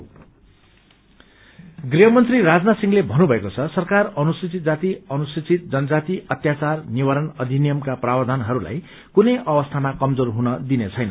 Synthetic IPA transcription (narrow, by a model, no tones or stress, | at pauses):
ɡriɦʌmʌnt̪riɾad͡znasiŋlebʱʌnubʱʌekot͡sʰʌsʌrkarʌnusit͡sit̪̚d͡zat̪iʌnusit͡sit̪̚d͡zʌnʌd͡zat̪iʔʌt̪jat͡sarnibʌɾʌnʌd̪ʱinijʌmkaprabʌd̪ʱanɦʌɾula̰j | kunʌjʔʌbʌst̪ʰamakʌmd͡zorɦunʌd̪inet͡sʰʌjnʌ̰